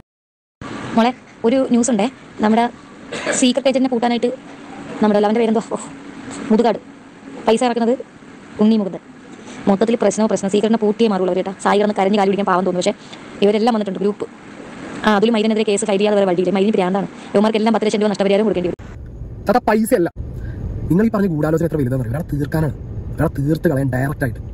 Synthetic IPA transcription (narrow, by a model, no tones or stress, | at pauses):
moɭeo̞ɾunjuːsuɳɖenɐmːuɽesiːkːrɐʈːeɲt͡ɕɐɾinepuːʈːaːnaːjiʈːɨnɐmːuɽelːɐʋɐndepeɾɐnd̪oomuðuɣaːɽɨ | pɐjsaːjirɐkːunɐðɨ | unːijmukːunðe | mot̪ːɐt̪ːilprɐɕnɐmɐmprɐɕnɐmsiːkːrɐʈːinepuːʈːijɐmaːriuɭːɐʋɾiʈːɐsaːjikɐɽɐnːɨkɐɾɐɲːɨkaːljpiɽikʲːaːnpaːʋɐmt̪ːnːpɐʂe | iʋɐɾe̞lːaːmʋɐnːiʈːuɳɖɨɡɾuːpːɨ̥ | aːɐðulumɐjɾɐneðiɾeke̞ːsɨfɐjɾijaːðeʋɐɾʋɐɭɖilemɐjiɾɐnɨpiɾaːnd̪aːɳɨ | eʋɐmaːrkːelːaːmpɐt̪ːilɐt͡ɕːɕɐnduʋɐnɐʂʈɐpɐɾijaːɾɐumkoɽukːeɳɖiʋɐɾu | t̪ɐt̪ɐpɐjsɨelːɐ | niŋːɐɭipɐrɐɲːɨkuːɽaːlod͡ʑɐnet̪rɐʋilːɐnenɐruʋɐɾaːɭt̪iːrkaːnaɐɐɾaːɭt̪iːrt̪ːɨkɐɭɐjaːmɖɐjrɐk̚ʈːaːjiʈːɨ̥